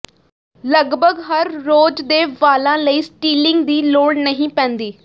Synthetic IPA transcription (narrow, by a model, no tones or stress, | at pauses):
ləɡbʱəɡɦəɾːoːd͡ʒd̪eːʋaːlãːləiːsʈiːlɪ̃ŋɡd̪iːloːɽnəɦĩːpɛ̃ːnd̪iː